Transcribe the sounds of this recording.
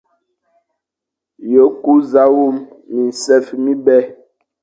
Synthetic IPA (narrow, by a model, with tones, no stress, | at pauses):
jo˨˦ku˦za˦wu˦˨mː | i˨n̩˨sɛ˦fmi˦bɛ˦